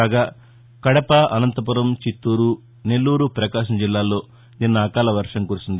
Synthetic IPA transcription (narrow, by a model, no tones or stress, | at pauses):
aːɡaː | kɐɽɐpɐʔɐnɐnt̪ɐp̬uɾɐmt͡ʃit̪ːuːɾu | ne̞lːuːɾupɾɐkaːʂ̬ɐmd͡ʒilːaːlo̞ː | d̪inːɐɐːkaːlɐʋɐɾʂɐŋkuɾusind̪i